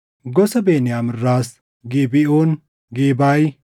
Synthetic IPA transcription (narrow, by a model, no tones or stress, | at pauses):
ɡɔsɐbeːnɪjaːmɪrːaːs | ɡiːbɪoːn | ɡeːbaːj